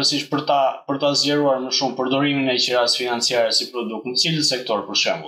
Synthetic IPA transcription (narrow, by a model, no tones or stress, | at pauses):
əsiʃpəɾt̪apəɾt̪azʎɛɾuaɾməʃumpəɾd̪ɔɾiminɛcɛɾasfinant͡siaɾɛsipɾɔd̪uk̚t̪nət͡siləsɛk̚t̪ɔɾpəɾʃɛ̰mbṵlˠ